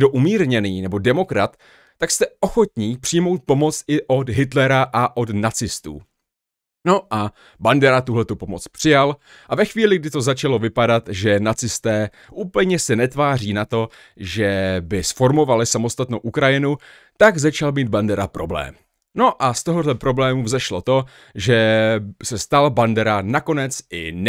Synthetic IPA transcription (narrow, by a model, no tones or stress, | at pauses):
doʔumiːɾɲɛniːnɛbo̞dɛmo̞kɾat̪ː | akst̪ɛʔo̞xo̞t̪ɲiːpr̥ɪjmo̞wt̪̚po̞mo̞t͡s̪ɪʔo̞d̪ɦɪt̪lɛɾaʔaʔo̞dnat͡sɪst̪ṵː | no̞ʔa | bandɛɾat̪uɦlɛt̪upo̞mo̞t͡spr̥ɪjal | ʔavɛxviːlɪɡdɪt̪o̞zat͡ʃalo̞vɪpadat̪ʒɛnat͡sɪst̪ɛː | ʔuːpl̩ɲɛsɛnɛt̪vaːr̝iːnat̪o̞ | ʒɛbɪsfo̞ɾmo̞valɪsamo̞st̪at̪nowʔukɾajɪnu | t̪aɡzat͡ʃalmiːd̪bandɛɾapɾo̞blɛ̰ːm | no̞ʔast̪o̞ɦodlɛpɾo̞blɛːmuzɛʃlo̞t̪o̞ | ʒɛsɛst̪albandɛɾanako̞nɛt͡sɪn